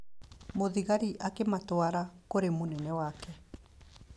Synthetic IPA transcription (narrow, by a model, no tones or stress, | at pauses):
moðiɣaɾiʔakematwaɾakoɾemonɛnɛwaːkɛ